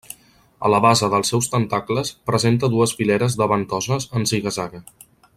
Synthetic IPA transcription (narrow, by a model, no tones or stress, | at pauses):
ə̰ləβazəðəlˠsɛwst̪ənt̪akləspɾəzent̪̬əðuəzfilɛɾəzðəβənt̪ɔzəzənsiɣəzaɣə